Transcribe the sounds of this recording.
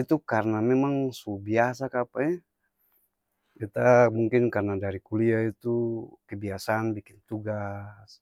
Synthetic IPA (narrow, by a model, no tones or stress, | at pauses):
it̪ukarnamɛmaŋsubias̬akapaɛ | bit̪amuŋkɪnkarnadaɾikuliait̪ukɛbiasanbikɪnt̪uɡas